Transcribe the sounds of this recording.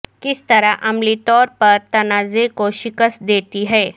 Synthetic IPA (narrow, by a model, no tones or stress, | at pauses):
kɪst̪ɐɾaʔɐmlit̪ɔːɾpɐɾt̪ɐnaːzekoʃɪkəsd̪eːt̪iɦɛː